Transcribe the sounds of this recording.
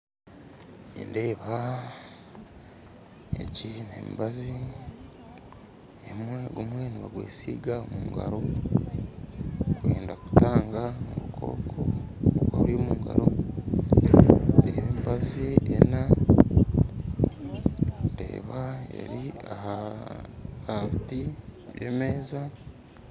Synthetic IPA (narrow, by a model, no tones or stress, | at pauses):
inde̞ːβa | jeɟinemibazi | emwe̞ɡumwe̞niβaɡweːsiːɡaomuuŋɡa̰ɾo | ɡweːndaku̥taːŋɡanoβukʰo̞̰ːkʰooɡwaβuɾimuːŋɡa̰ɾo̞ | deːβemibaziena | ndḛːβaḛɾiaha | kaβitiβjeːmeza